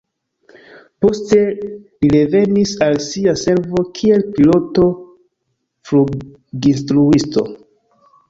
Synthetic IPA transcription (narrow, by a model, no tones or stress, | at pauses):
po̞ste̞liɾe̞ve̞nisalsiase̞ɾvo̞kʰie̞lpilo̞to̞ | flu | ɡinstɾuisto̞̰